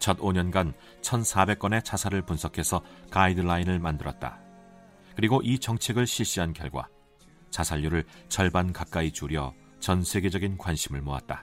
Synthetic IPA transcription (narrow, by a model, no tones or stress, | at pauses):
t͡ɕʌdoɲʌnɡan | t͡ɕʰʌnsʰabe̞k͈̚ʌne̞t͡ɕʰasʰaɾɯɭpunsʰʌkʰe̞sʰʌkaidɯɭainɯɭmandɯɾʌt̚t͈a̰ | kɯɾiɡoʔit͡ɕʌŋt͡ɕʰe̞ɡɯɭɕʰiɕ͈iɦankjʌ̰ɭɡwa̰ | t͡ɕasʰaʎːuɾɯɭt͡ɕʌɭbankak͈̚ait͡ɕuɾjʌ̰ | t͡ɕʌnsʰe̞ɡe̞d͡ʑʌɡinkwanɕʰimɯɭmoa̰t̚t͈a